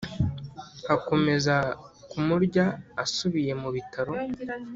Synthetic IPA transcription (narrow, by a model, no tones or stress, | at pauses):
hako̞me̞zakumuɾɟaːsuβije̞muβitaɾo̞